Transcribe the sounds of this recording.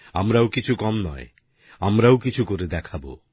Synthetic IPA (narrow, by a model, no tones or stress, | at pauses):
amɾawkit͡ʃʰukɔmnɔ̰e | amɾaokit͡ʃʰukoɾid̪ɛkʰabo̰